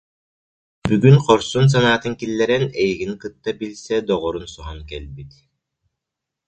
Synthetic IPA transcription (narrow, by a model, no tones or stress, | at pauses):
byɡynqɔɾsuns̬anaːt̪ɯŋkilːɛɾɛnɛjiɡinkɯt̪ːabilsɛd̪ɔʁɔɾunsɔɦɔnkɛlʲbit̪